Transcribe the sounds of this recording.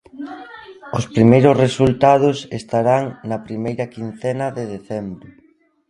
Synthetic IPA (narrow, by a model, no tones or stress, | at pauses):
ʊspɾimejɾʊsresult̪að̞ʊsest̪aɾaŋnɐpɾimejɾɐkinθɛnɐðeðeθɛmbɾʊ